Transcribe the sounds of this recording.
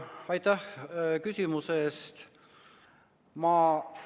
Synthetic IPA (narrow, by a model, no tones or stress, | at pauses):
ɑjt̪ˑæhkysʲimuseːst̪ | mɑː